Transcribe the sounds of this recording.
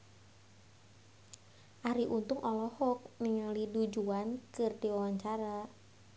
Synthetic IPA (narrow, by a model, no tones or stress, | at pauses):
ʔaɾiʔunt̪ʊŋʔɔlɔhɔk̚niŋalidud͡ʒuankɨrdiwawaɲt͡ʃaɾa